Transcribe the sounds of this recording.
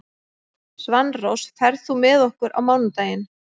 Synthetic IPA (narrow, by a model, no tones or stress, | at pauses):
svanrowsfɛɾðθumɛðɔhkʏɾʔa̰wmaːwnʏmt̪aːjɪn